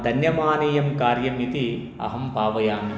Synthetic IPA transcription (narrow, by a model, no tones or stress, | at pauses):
d̪ʱɐnjɐmaːniːjɐmkaːɾjɐmit̪i | ɐ̰ɦɐmbʱaːʋɐjaːni